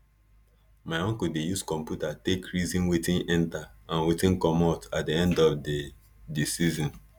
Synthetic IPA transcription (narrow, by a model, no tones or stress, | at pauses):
maɪɔ̃ŋkudejuskɔ̃mpjutatekɹizĩnwetĩnɛ̃ntaãnwetĩnkɔmatat̚diɛ̃ndɔfde | disizɔ̃n